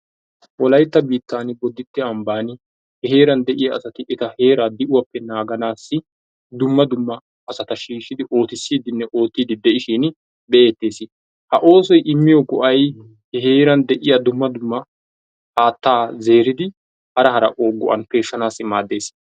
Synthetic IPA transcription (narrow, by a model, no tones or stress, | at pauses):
ʔɔlɐjt̪ːɐbiːt̪ːaːnɪbɔd̪ɪt̪ːɪɐmbaːnɪ | hɛhe̞ːɾɐnd̪ɛʔɪjaːsɐt̪ɪʔɪt̪ɐhe̞ːɾaːd̪ɪʔʊwɐpːɛnaːɡɐnaːsːɪ | d̪ʊmːɐd̪ʊmːɐː | sɐt̪ɐʃiːʃɪd̪ɪʔo̞ːt̪ɪsːiːd̪ɪnːɛʔo̞ːt̪ːiːd̪ɪd̪ɛʔɪʃiːn | bɛeːt̪ːe̞ːsɪ | hɐʔo̞ːsɔjʔɪmːɪjɔkʊʔɐj | hɛɦeːɾɐnd̪ɛʔɪjad̪ʊmːɐd̪ʊmːɐ | ʔaːt̪ːaːze̞ːɾɪd̪ɪ | hɐɾɐɦɐɾɐ̰ʔoːɡʊʔɐ̰npe̞ːʃːɐnaːsːɪmaːd̪ːe̞ːs